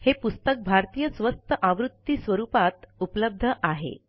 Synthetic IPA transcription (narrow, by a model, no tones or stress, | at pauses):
hepust̪ək̚bʱaɾt̪iːjəsʋəst̪əʔaʋɾut̪ːiːsʋəɾupat̪upləb̚d̪ʱəʔaɦḛ